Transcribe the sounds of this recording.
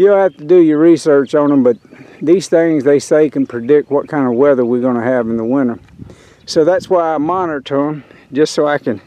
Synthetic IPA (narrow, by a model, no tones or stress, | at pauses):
jɨhæftɨdɨjə˞ɹisɜ˞t͡ʃn̩ə̃mbʌt̪̚ðiz̥θɪ̃ŋzðeɪseɪkɨ̃n̩pʰɹ̥ɨdɪk̚t̚wʌt̚kʰãɪ̃ndʌvwɛðə˞wiɡõnɨɨvn̩ðəwɪ̃nə˞ | soʊðætswaɪaɪmɑnə˞tʰõn | d͡ʒʌstsoʊaɪkɨ̃n